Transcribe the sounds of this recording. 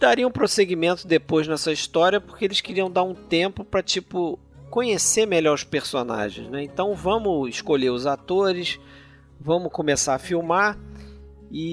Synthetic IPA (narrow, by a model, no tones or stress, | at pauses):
d̪aɾiɐũpɾoseɡimẽnt̪ʊd̪epojznɛsɐiʃt̪ɔɾiɐpʊχkeelɪʃkiɾiɐ̃w̃d̪aɾũt̪ẽpʊpɾɐt͡ʃipʊ | kõɲesemeʎɔɾʊʃpeɾsona̰ʒḛ̃j̃znɛẽnt̪ɐ̃w̃vɐ̃mʊɪʃkoʎeɾʊzat̪oɾɪs | vɐ̃mʊkõmesaɾɐfiwma | ɪ